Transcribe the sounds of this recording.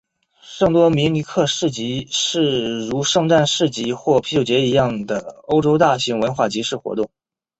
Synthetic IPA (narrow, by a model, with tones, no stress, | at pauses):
ʂɤ˥˩ŋt̪wɔ˥mi˧˥nli˧˥kʰɤ˥˧ʂɻ̩˥˩t͡ɕi˧˥ʂɻ̩˥˩ɻu˧˥ʂɤ˥˧ŋʈ͡ʂa˥˧nʂɻ̩˥˩t͡ɕi˧˥xwɔ˥˩pʰi˥t͡ɕo˨˩ʊt͡ɕjɛ˧˥i˧˥jɑ˥˩ŋd̪ə˩o˥ʊʈ͡ʂo˥ʊt̪a˥˩ɕi˧˥ŋwə˧˥nxwa˥˩t͡ɕi˧˥ʂɻ̩˥˩xwɔ̰˧˥t̪ʊ˥˩ŋ